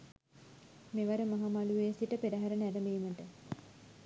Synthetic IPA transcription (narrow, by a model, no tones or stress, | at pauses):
meʋaɾəmaɦamaluʋeːsiʈəpedaɦaɾənəædəmiiməʈə